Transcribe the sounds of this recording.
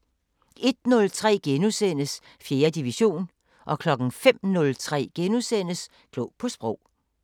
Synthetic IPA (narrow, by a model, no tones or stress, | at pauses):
e̝d̥nɔ̽lt͡sʰʁɛ̰ːɡ̥enusen̰əs | fje̝ːɐd̥iʋiɕo̝̰ːn | ʔɒ̽kʰlɒ̽ɡ̥n̩fem̰nɔ̽lt͡sʰʁɛ̰ːɡ̥enusenəs | ɡ̥lɔpʰɒ̽sb̥ʁɔʊ̰